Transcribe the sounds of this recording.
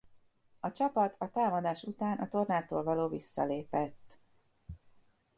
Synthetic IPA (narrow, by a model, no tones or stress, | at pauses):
ɒt͡ʃɒpɒt̪ʰɒt̪aːmɒd̪aːʃut̪aːnʔɒt̪o̞rnaːt̪oːlvɒloːvisːɒ̰leːpɛt̪ː